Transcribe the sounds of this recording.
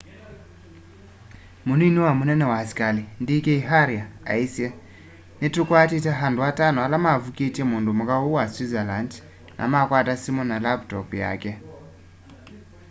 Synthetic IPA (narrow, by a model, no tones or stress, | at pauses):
munoiniwamunenewasi̥kalindikeiɦaɾiaa̰ise | neturukuatitaɦandʱuatanualamavukitemundumukauwaswizaland | nʔa̰makwatasimunalaptokuja̰ːke